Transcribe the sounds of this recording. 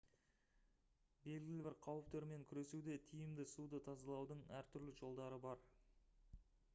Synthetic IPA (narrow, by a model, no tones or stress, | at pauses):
be̞lɡʲɪlɪbɪɾqʰɑwəp̚t̪ʰʏɾme̞ŋkʲʰʏɾe̞sud̪e̞t̪ʰijɪmd̪ɪsud̪ət̪ʰɑzɑlˠɑwd̪əɴæɾt̪ʰʏɾlɪʒo̞lˠd̪ɑɾəbɑɾ